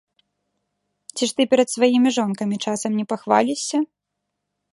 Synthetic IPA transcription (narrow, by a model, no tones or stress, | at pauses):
t͡sʲiʂt̪ɨpʲɛɾɐt̪svajimʲiʐɔnkɐmʲit͡ʂasɐmnʲɛpaxvalʲisʲːɐ